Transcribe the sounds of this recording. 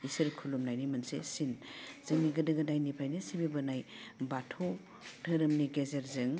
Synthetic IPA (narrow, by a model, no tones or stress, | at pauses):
isɐɾkʰulumnajnimɐnsḛsinz̥ɐŋniɡɐdɐɡɐdajnipʰajnisibibɐnajbatʰo | dʰɐɾɯmniɡezeɾzɯŋ